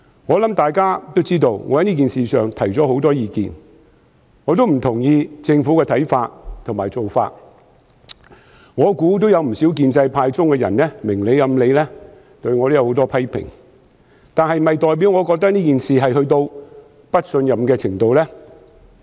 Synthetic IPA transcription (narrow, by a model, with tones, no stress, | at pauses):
ŋɔː˨˧lɐ˨˥mt̪aː˨jkaː˥t̪o˥wt͡siː˥t̪o˧wŋɔ̰ː˨˧hɐ˧˥jniː˥k̬iː˨nsiː˨˩sœː˨ŋt̪ʰɐ˨˩jt͡sɔː˨˥ho˨˥wt̪ɔː˥jiː˨˧kḭː˨n | ŋɔː˨˧t̪̬o˥wm̩˨˩t̪ʰʊ˨˩ŋjiː˧t͡sɪ˧ŋfuː˨˥kɛː˧t̪ʰɐ˨˥jfaː˧t̚t̪ʰʊ˨˩ŋmaː˨jt͡so˨wfa̰ː˧t̚ | ŋɔː˨˧kuː˨˥t̪o˥wjɐ˨˧wm̩˨˩si˨˥wk̬iː˧nt͡sɐ˧jpʰaː˧jt͡sʊ˥ŋkɛ˧jɐ̰˨˩nnɛː˥mɪ˨˩ŋle˨˧jɐ˨˧˥mle˨˧jlɛː˥ | t̪ɵ˧ɥŋɔː˨˧t̪o˥jɐ˨˧whwt̪ɔː˥pʰɐ˥jpʰɪ̰˨˩ŋ | t̪aː˨nhɐ˨jm̩˨˩hɐ˨jt̪ɔː˨jp̬iː˨˥wŋɔ˨˧kɔː˧k̚t̪ɐ˥k̚niː˥kiː˨nsiː˨ɦɐ˨jhɵ˧ɥt̪o˧w | pɐ˥t̚sɵ˧njɐ˨mkɛː˧t͡sʰɪ˨˩ŋt̪o˨wlɛː˥